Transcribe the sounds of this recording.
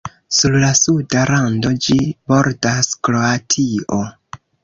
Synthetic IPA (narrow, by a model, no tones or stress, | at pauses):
suɾlasudaɾando̞d͡ʒibo̞ɾdaskɾo̞atʰio